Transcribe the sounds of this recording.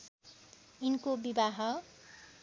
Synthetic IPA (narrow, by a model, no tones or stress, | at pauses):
inkobibaɦʌ